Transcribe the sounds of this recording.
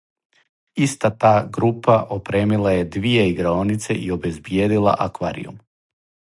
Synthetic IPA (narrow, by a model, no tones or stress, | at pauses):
ist̪at̪aːɡɾupaʔopɾe̞ːmilˠaje̞d̪ʋijeiɡɾaonit̪seʔio̞be̞zbjeːd̪ilˠa̰ʔakʋaːɾḭjṵm